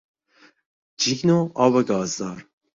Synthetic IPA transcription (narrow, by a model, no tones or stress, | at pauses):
d͡ʒiɡnoːɑːwɐɡɑːzd̪ɑːɾ